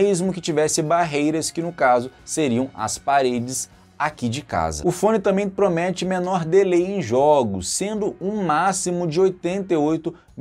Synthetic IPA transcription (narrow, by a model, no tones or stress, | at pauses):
zmʊkɪt͡ʃivɛsɪbaɦejɾɐskɪnʊkazʊseɾiɐ̃w̃ɐ̰spaɾed͡ʒɪs | akid͡ʒɪka̰zɐ̰ʊfõnɪt̪ɐ̃mbẽj̃pɾomɛt͡ʃɪmenɔɾd̪elejẽj̃ʒɔɡʊsːẽnd̪ʊũmasimʊd͡ʒɪojt̪ẽnt̪eojt̪ʊ